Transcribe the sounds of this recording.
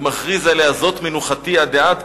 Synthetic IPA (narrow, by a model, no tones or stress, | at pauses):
maχʁizaleazo̞t̪menuχat̪iad̪eat̪